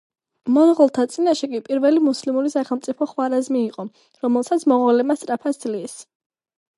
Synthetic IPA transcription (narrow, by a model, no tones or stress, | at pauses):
mɔnʁɔlˠt̪ʰat̪sʼinaʃɛkʼipʼiɾvɛlimuslimuɾisaχɛlˠmt̪sʼipʰɔχwaɾazmiːqʼɔ | ɾɔmɛlˠsat̪sʰmɔʁwalɛmast̪ʼɾapʰasd̪zlis